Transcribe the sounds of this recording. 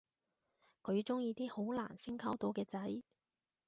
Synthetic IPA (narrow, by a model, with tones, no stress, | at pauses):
kʰɵ˨˧ɥt͡sʊ˥ŋjiː˧t̪iː˥ho˨˥wla̰ː˨˩nsi˥ŋkʰɐ˥wt̪o˨˥wkɛː˧t͡sɐ˨˥j